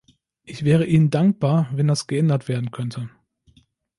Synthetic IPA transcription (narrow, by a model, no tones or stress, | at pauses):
ʔɪçv̥ɛːʁ̞əʔiːnəndaŋk̚b̥aːɐvɛndasɡ̥əʔɛndɐtv̥eːɐdn̩kʰœntʰə